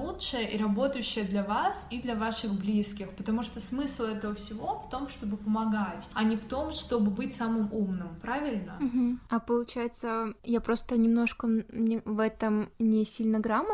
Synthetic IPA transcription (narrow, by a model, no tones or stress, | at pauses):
lˠutʂɨjəʔiɾɐbo̞t̪əjʉɕːɪjəd̪lʲɐvasid̪lʲɐvaʂɨɣblʲiskʲɪxpət̪ɐmuʂt̪osmɨslˠɛt̪əvəfsʲɪvo̞ft̪o̞mʂt̪o̞bɨpəmɐɡatʲɐnʲɪft̪o̞mʂt̪o̞bɨbɨtʲsamɨmumnɨmpɾavʲɪlʲnəɦm̩ɐpəlˠʊt͡ɕæjɪt̪səjapɾo̞st̪ənʲɪmno̞ʂkənʲɪvɛt̪əmnʲɪsʲilʲnəɡɾamə